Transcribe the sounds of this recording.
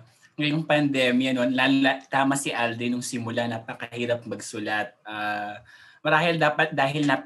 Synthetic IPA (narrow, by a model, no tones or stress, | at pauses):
ŋɐjoŋpɐnd̪ɛːmjɐnonlallɐt̪aːmɐsɪʔald̪ɪnʊŋsɪmʊlanɐpɐkɐhiːɾɐp̚mɐɡsʊlɐt̪̚ʔaː | mɐɾaːhɪld̪aːpɐt̪̚d̪aːɦɪlnɐ